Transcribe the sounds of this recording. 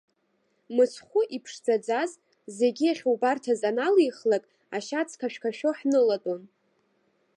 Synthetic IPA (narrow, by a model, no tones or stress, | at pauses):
mɨt͡sʰχʷʊʔipʰʂd͡zʷad͡zaz | ze̞ɡʲiaχʲwbartʰazanalijχlakʼ | aʃat͡sʰkʰaʃᶣkʰaʃᶣoħnɨlatʼon